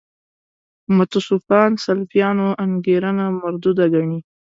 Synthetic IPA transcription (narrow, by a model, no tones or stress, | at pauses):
mat̪ʊsufɑnsalfijɑnoaŋɡeɾanamaɾd̪ud̪aɡaɳi